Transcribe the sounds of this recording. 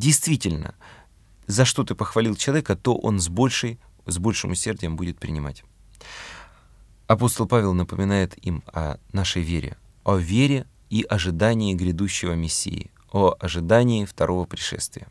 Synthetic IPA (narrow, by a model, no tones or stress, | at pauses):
dʲɪjst̪vʲitʲɪlʲnə̰ | zɐʂt̪o̞t̪ɨpəxvɐlʲilˠt͡ɕɪlˠɐvʲekət̪o̞ʔo̞̰nzbolʲʂɨj | zbo̞lʲʂɨmʊsʲːe̞rdʲɪjəmbudʲɪt̪̚pɾʲɪ̰nʲɪma̰tʲ | ɐpo̞st̪əlˠpavʲɪlˠnəpəmʲɪnajɪt̪imɐ̰naʂəjvʲeɾʲɪ̰ | ɐvʲeɾʲɪ | iʔɐʐɨd̪anʲɪːɡɾʲɪd̪uɕːɪvəmʲɪsʲːḭɪ̰ | oɐʐɨd̪anʲɪːft̪ɐɾʔo̞vəpɾʲɪʂɛ̰st̪vʲɪjə